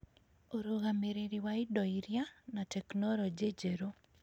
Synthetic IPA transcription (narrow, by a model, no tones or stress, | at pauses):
oɾoɣameɾeɾiwaɪdɔiɾjanatɛknɔlɔd͡ʒed͡ʒeɾo